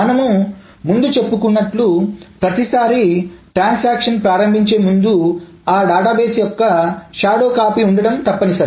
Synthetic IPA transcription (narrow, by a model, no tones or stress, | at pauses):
ɐnɐmu | mund̪ut͡ʃe̞pːukunːɐʈlupɾɐt̪isaːɾiʈɾaːnsaːkʂɐnpɾaːɾɐmbʱiɲt͡ʃe̞ːmund̪u | aːɖaːʈaːbe̞ːsjɔkːɐʃaːɽo̞ːkaːpiuɳɖɐɽɐmt̪ɐpːɐnisɐ